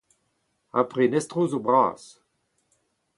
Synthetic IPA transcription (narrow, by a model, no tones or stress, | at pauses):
a̰pʁenɛst̪ʁoːzobʁa̰ːs